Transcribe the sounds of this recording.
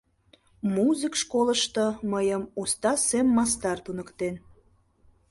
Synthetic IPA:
muzɨkʃkoləʃt̪əməjəmost̪ɑsemːɑst̪ɑrt̪unəkt̪en

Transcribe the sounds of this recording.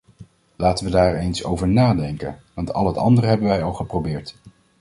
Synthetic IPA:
laːtənʋədaːɹejnso̰wvəɹnaːdɛŋkə̰nʋɑntʰɑ̰lˠɦətɑ̰ndərəɦɛbənʋɛjɑlˠχəprowbɪːɹt

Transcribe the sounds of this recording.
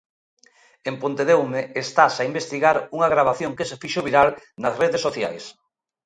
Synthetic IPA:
empont̪eðewmeest̪asaimbest̪iɣaɾuŋaɣɾaβ̞aθjoŋkesefiʃoβiɾalnasreðesːoθja̰js

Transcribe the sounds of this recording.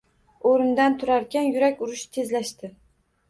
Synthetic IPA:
oɾɪnd̪ant̪ʰʊɾaɾkʲanjʊɾakʲʊɾʊʃt̪ʰe̞zlaʃt̪ɪ

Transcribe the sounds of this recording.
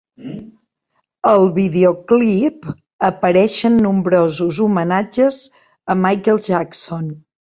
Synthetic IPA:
əlˠβiðeoklip | əpəɾɛʃənːumbɾozuzumənad͡ʒəz | əmajkəlˠʒakson

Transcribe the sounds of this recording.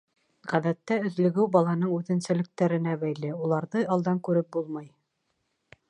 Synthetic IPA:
ʁæðæt̪ːæɵ̆ðlɵ̆ɡɘwbɑlˠɑnɤɴʉðɘ̆nsæ̆lɘ̆k̚t̪æɾɘ̆næβæjlɘulˠɑɾðɤɑlˠd̪ɑŋkʉɾɘp̚bulˠmɑj

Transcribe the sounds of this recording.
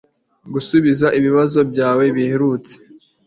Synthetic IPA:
ɡusuβizaʔiβiβazo̞bɟaːwe̞βiheɾut͡se̥

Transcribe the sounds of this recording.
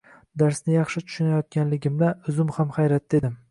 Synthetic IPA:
d̪aɾsnɪjɑχʃɪt̪ʰʊ̥ʃʊnajɒt̪̚kʲanlɪɡʲɪmd̪aʊzʊmhamχajɾat̪̚d̪e̞d̪ɪm

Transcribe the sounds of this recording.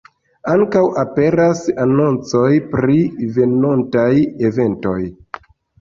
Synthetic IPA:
aŋkawape̞ɾasano̞nt͡so̞jpɾive̞no̞ntaje̞ve̞nto̞j

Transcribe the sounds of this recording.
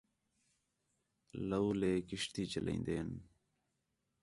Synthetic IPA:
ləuːleːkɪʂt̪iːt͡ʃəlʔḛ̃ːnd̪eːn

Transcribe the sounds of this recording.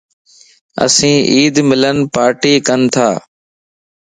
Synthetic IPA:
ə̰sĩːʔiːd̪mɪlənpaːɾʈiːkənt̪ʰaː

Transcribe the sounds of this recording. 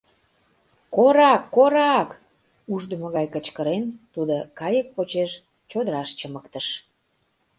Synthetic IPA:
koɾɑkːoɾɑk | uʒd̪əməɣɑjkət͡ɕkəɾent̪ud̪okɑjək̚pot͡ɕeʃ | t͡ɕod̪əɾɑʃt͡ɕəməkt̪əʃ

